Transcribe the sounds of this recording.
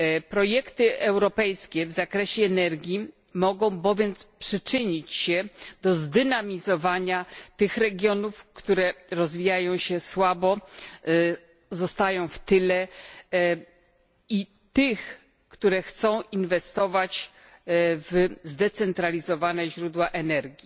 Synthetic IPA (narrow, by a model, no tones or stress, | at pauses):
pɾɔjɛkt̪ɘʔɛwɾɔpɛjskʲɛvzakɾɛɕɛːnɛɾɡʲji | mɔɡɔ̃w̃bɔvʲjɛnt̪spʂɘt͡ʂɘɲit͡ɕɕɛd̪̥ɔzd̪ɘnamʲizɔvaɲat̪ɘxɾɛɡʲjɔnufkt̪uɾɛɾɔzvʲijajɔ̃w̃ɕɛswabɔ | zɔst̪ajɔ̃w̃ft̪ɘlɛ | i | t̪ɪx | kt̪uɾɛxt̪sɔ̃w̃ʔinvɛst̪ɔvat͡ɕ | vzd̪ɛt̪sɛnt̪ɾalʲizɔvanɛʑɾud̪waʔɛnɛɾɡʲi